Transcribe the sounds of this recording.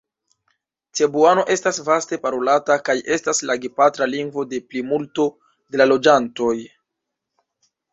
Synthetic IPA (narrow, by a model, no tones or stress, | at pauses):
t͡se̞buano̞ʔe̞stasvaste̞paɾo̞latakaje̞staslaɡipatɾaliŋɡvo̞de̞plimulto̞ | de̞lalo̞d͡ʒanto̞j